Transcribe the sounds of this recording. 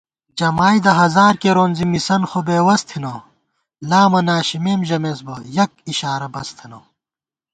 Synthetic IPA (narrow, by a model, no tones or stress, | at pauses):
d͡ʑɐmaːjd̪ɐɦɐzaːɾkeɾoːnzimisɐnxobeːwɐst̪ʰinoː | laːmɐnaːɕimeːmʑɐmeːsbɐjɐk̚iɕaːɾɐbɐst̪ʰinoː